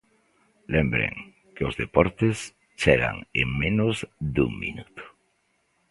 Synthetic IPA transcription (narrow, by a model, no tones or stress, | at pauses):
lembɾḛŋ | keozðepoɾt̪es | t͡ʃeɣa̰ŋeŋmẽnozd̪uŋmḭnut̪o̥